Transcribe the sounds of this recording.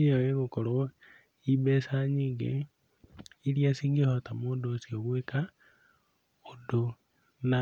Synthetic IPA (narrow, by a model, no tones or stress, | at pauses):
ijojeɣukolo | iβesaɲiːŋɡḛ | ilijasiːŋɡehotamodosjoβweka | odo | na